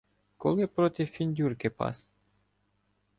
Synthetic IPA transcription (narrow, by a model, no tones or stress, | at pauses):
koleprot̪ʲifːinʲd̪ʲurkʲepɑ̰s